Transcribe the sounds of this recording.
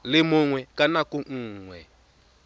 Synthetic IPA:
lɪmʊŋwɛkʼanakuŋ̩ːŋwɛ

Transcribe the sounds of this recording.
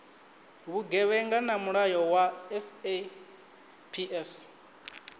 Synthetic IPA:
βuɡɛβɛŋɡanamuɺajɔwaɛse | pʰiʔɛs

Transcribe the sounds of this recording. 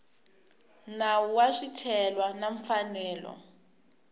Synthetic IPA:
nawuwaʂitʰɛlwanaɱfanɛːlɔ̰

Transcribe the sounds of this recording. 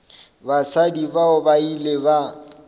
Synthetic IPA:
basadibaʊbaileba

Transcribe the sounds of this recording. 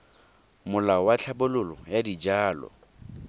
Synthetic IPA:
mʊlaɔwat͡ɬʰabʊlʊlɔjadid͡ʒaːlɔ̰

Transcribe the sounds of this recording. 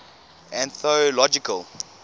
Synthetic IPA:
æ̃nθolɔd͡ʒikəlˠ

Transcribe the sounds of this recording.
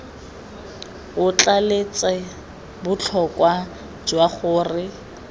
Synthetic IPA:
ʊt͡ɬʼalet͡sʼɛ | bʊt͡ɬʰɔkʼwa | d͡ʒwaχʊːrɪ

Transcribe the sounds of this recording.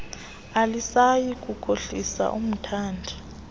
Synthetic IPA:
alisajikʼukʰʼoɬisa̰ʔum̩tʰaːndʱi

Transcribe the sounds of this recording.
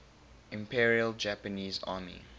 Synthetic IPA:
ɪ̃mpʰiɹiəld͡ʒæpəniːzɑ̰ːmḭ

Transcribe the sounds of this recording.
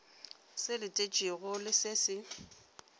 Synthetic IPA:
sɪlɪtʼet͡ʃʼiɣʊlɪsɪsɪ

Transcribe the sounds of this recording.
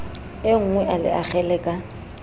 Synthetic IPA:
ɪŋ̩ŋwɛʔalɪ̰ʔak͡xɛlɛkʼa

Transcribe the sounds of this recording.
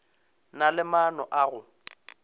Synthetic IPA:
nalɪmanɔʔaɣʊ

